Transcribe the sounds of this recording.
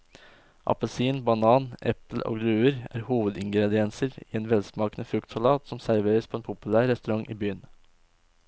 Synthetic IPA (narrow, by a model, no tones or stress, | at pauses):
ʔɑ̰pəlsiːnbɑnɑːnʔɛpl̩ʔo̰ːɡlʉːəɾæ̰ːɾhuːʋəd̪ɪŋɡɾɛd̪ɪɛnsəɾiːeːnʋɛlsmɑːkənəfɾʉkt̪sʊlɑːt̪sɔmsæɾʋeːɾəspʰoːeːnpʰʊpʉlæːɾːɛst̪ʉɾɑŋʔiːbyːən